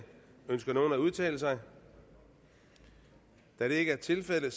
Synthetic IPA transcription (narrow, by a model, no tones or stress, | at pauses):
ønsɡ̥ɐno̝ːn̩æuð̞ˠt͡sʰɛ̰ːləsɑ̈ɪ | d̥æɾ̥e̝e̝ɡ̥əæɐt͡sʰe̝lfel̰əð̩s